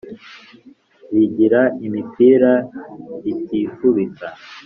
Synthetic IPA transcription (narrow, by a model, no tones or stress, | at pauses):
wiɟiɾaimipʰiɾa | itifuβit͡sa